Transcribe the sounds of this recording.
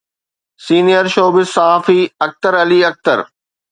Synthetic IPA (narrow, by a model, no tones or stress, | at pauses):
siːnijəɾʃoːbɪsaaːfiɐk̚t̪əɾɐliːɐk̚t̪ə̰ɾ